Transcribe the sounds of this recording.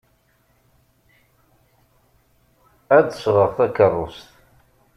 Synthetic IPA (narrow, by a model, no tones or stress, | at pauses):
æðəsʁəʁθækərˤːʊst̪